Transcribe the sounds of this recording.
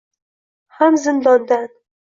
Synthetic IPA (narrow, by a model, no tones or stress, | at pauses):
hamzɪnd̪ɒnd̪an